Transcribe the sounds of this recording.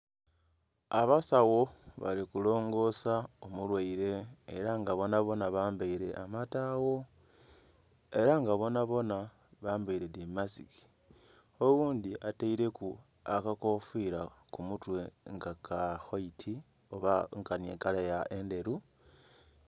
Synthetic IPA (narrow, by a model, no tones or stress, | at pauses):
aβasawo̞βa̰likulo̞ːŋɡo̞saomulwaiɾe̞ːɾaŋɡaβo̞naβo̞naβaːmbaiɾe̞ʔamatawo̞ | e̞ɾaŋɡaβo̞naβo̞na | βaːmbaiɾe̞dimasiki̥ | oɣuːndiʔataiɾe̞ku | akako̞fiɾakumutwe̞ŋɡakaxoitʰi | oβaŋkanḛkalajaʔe̞nde̞ɾu